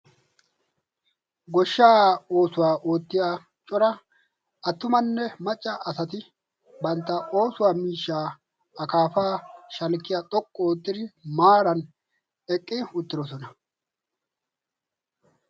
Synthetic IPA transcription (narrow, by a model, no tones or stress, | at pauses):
ɡɔʃːaːo̞ːsʊwaːʔoːt̪ːɪjaː | t͡ʃʼɔɾɐ | ɐt̪ːʊmɐnːɛmɐt͡ʃʼːɐʔɐsɐt̪ɪ | bɐnt̪ːɐo̞ːsʊwaːmiːʃːaː | ɐkaːfaːʃɐlkːɪjat̪ʼɔkʼːɔoːt̪ːɪd̪ɪmaːɾɐn | ɛkʼːɪʊt̪ːɪɾɔsɔnɐ